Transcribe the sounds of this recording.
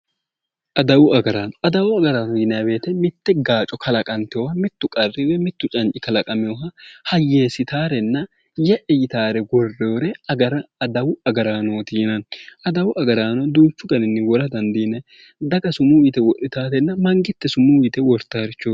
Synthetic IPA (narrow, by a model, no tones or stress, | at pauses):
ʔɐd̪ɐwʊʔɐɡɐɾaːnɔʔɐd̪ɐwʊɐɡɐɾaːnɔjɪnɛjɐbe̞ːt̪ɛmɪt̪ːɛɡaːt͡ʃʼɔkʰɐlɐkʼɐnt̪ɛɔhɐmɪt̪ːʊkʼɐrːɪwɛmɪt̪ːʊt͡ʃʼɐnt͡ʃʼːɪkɐlɐkʼɐmɪjoɦɐhɐjːe̞ːsɪt̪aːɾɛnːɐ | jɛʔɛjɪt̪aːɾɛɡɔrːoːɾɛɐɾd̪ɐwʊɐɡɐɾaːnoːt̪iːnɐnʔɐd̪ɐwʊʔɐɡɐɾaːnɔd̪uːt͡ʃːʊɡɐnɪnːɪwɔɾɐd̪ɐnd̪iːnɛ | d̪ɐɡɐsʊmuwiːt̪ɛwɔʔɪt̪aːɾɛnːɐmɐŋɡɪt̪ːɛsʊmuːwiːt̪ɛwɔɾt̪ːaːɾɪt͡ʃːoː